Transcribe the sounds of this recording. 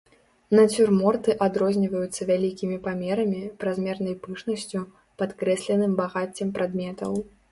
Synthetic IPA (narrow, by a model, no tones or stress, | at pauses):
nɐt͡sʲurmɔrt̪ɨʔad̪ɾɔzʲnʲivɐjut̪sːɐvʲalʲikʲimʲipamʲɛɾɐmʲipɾazmʲɛrnɐjpɨʂnɐsʲt͡sʲu | pat̪kɾɛsʲlʲɛnɨmbaɣat͡sʲːɛmpɾad̪mʲɛt̪ɐw